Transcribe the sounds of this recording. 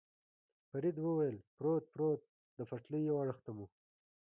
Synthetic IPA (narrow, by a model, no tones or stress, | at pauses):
faɾid̪wəwajəlpɾot̪̚pɾot̪̚ | d̪əfaʈləjjawaɽəxt̪amu